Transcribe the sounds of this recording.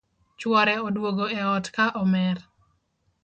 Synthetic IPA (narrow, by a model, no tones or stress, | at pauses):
t͡ʃwɔɾɛodwoɡoeɔtkaʔɔmɛr